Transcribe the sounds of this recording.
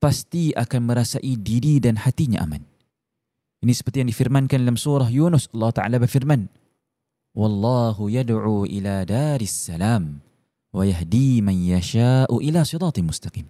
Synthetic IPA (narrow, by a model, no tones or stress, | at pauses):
past̪iʔakanməɾasaʔidiɾidanhat̪iɲa̰ʔa̰man | ʔinisə̥pərt̪ijaŋdifirmankanalamsuɾɑɦjunʊsʔɑlːɑhu̥t̪aʕa̰labərfirman | wɑlˤːɑɦujadʕuːʔiladaːɾɪsːalaːm | wajaɦdimanjaʃaʔuʔilasɨɾɑːt̪ˤmʊst̪aqḭːm